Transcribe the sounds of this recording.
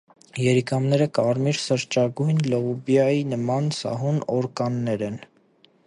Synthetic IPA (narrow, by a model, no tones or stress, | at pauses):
jɛɾikɑmnɛɾəkɑɾmiɾsəɾt͡ʃɑɡujnlɔʁubjɑjinəmɑnsɑ̰ɦunɔɾkɑnːɛɾɛn